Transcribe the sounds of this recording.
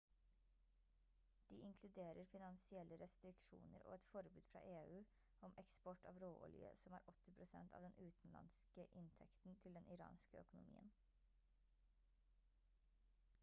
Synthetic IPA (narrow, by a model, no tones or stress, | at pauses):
d̪̥iːɪŋkʰlʉd̪eːɾəɾfɪnɑnsɪɛlʔəɾɛst̪ɾɪkʃṵːnəɾʔo̰ːɛt̪fɔɾbʉːd̪fɾɑ̰ːʔeːʉː | ɔmʔɛkspɔʈɑːʋɾoːʔɔljə̰sɔmæːɾʔɔt̪ɪpʰɾʊsɛnt̪ʰɑ̰ːʋd̪ɛnʔʉːt̪n̩lɑ̰nskəʔɪnt̪ʰɛkt̪n̩t̪ʰɪld̪ɛnʔɪɾɑ̰ːnskəœkʊnʊmḭːən